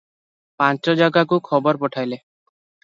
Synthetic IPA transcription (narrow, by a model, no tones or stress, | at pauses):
pãnt͡ʃɔd͡ʒaɡak̬ukʰɔbɔɾpɔʈʰajle